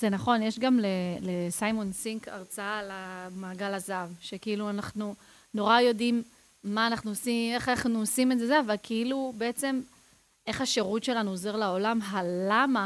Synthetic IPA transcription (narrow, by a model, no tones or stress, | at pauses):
z̥e̞naχo̞njeʃɡamlelesajmonsiŋka̰ʁt͡saalamaːɡalazavʃe̞kiiluanaχnu | no̞ʁajo̞dimː | aːnaχnuosieχaaχnuosimeze̞zeavalkʰiilube̞et͡se̞m | ʔe̞χaʃe̞ʁut̪ʃe̞lanuoze̞ʁlaolamɦalama